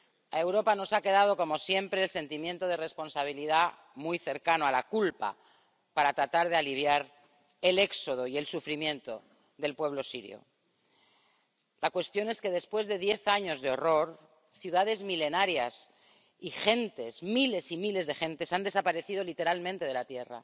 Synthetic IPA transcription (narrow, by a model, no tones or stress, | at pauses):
ae̞wɾo̞pano̞sake̞ð̞aðo̞ko̞mo̞sje̞mpɾe̞ːlse̞nt̪imje̞nt̪o̞ð̞e̞re̞spo̞nsaβ̞iliða | mujθe̞ɾkanoalakulpa̰ | paɾat̪ɾat̪aɾð̞ealiβ̞jaɾ | e̞le̞kso̞ð̞o̞ie̞lsufɾimjẽ̞nt̪o̞ | ðe̞lpwe̞β̞lo̞siɾjo̰ | lakwe̞st̪jo̞neske̞ðe̞spwe̞zðe̞ðje̞θaɲo̞zðeo̞ro̞ɾ | θjuðaðe̞zmile̞naɾjas | ixe̞nt̪e̞smile̞simile̞zðe̞xẽ̞nt̪e̞sand̪e̞sapaɾe̞θið̞o̞lit̪e̞ɾalmẽnt̪e̞ðe̞lat̪je̞ra̰